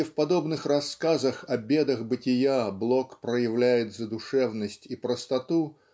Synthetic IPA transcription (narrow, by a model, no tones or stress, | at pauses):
ɪfpɐd̪o̞bnɨxrɐskazəxɐbʲed̪əxbɨtʲɪjablˠokpɾəjɪvlʲæjɪt̪zəd̪ʊʂɛvnəsʲtʲipɾəst̪ɐt̪u